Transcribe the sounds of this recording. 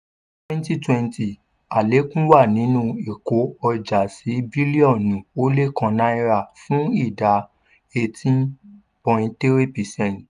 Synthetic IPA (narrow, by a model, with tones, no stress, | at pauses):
twɛ̃˦n˦ti˦twɛ̃˧nti˨ | a˨le˨˦kũ˦wa˦˨nĩ˨˦nũ˦e˨ko˨˦ɔ˧d͡ʒa˨si˨˦bi˦li˦ɔ̃˦˨nũ˨o˦le˦kã˧nã˨˦i˧ɾa˧˨fũ˨˦i˦˨da˨ | e˧tĩ˦n | pɔ̃˧ĩ˧te˦ɾe˦pi˨sɛ̃˦˨n